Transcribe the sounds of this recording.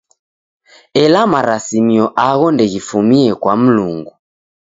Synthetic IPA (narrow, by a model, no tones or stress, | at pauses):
ɛlamaɾasimiɔʔaɣɔndɛɣifumiɛkwam̩luŋɡu